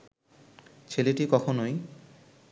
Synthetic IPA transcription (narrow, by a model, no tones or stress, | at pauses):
t͡ɕʰeleʈikɔkʰonoj